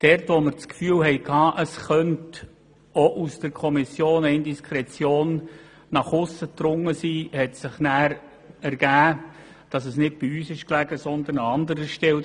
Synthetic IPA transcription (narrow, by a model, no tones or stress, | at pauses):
d̥ɛɾtʋɔməɾt͡skfyːlɦɛjkhɑːʔəsχœnt | oʔusd̥əɾkʰɔmisjoːnɛɪndiskχɾɛt͡sjoːnː | ɑχʊsət̪rʊŋːəsiːhɛtsɪχnæːɾ | æɾɡ̥æː | d̥ɑsəsnɪt̚b̥iyːsɪʃklæɡ̥əsɔnd̪ənɑɑnd̪əɾəʃtɛl